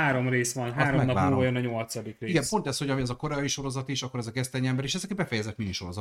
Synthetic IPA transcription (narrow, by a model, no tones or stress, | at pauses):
aːɾo̞mreːsʋɒnɦaːɾomɛmɒamːuːvɒjønɒɲo̞lt̪sɒd̪ikreiɡɛpo̞nt̪ɛsho̞ɟɒmiɛzɒko̞ɾɛːjiʃo̞ɾo̞zɒt̪iʃɒkːo̞ɾɛzɒkɛst̪ɛɲiɛmbɛɾeʃɛzɛkbɛfɛjɛzɛt̪miniʃo̞ɾozɒt̪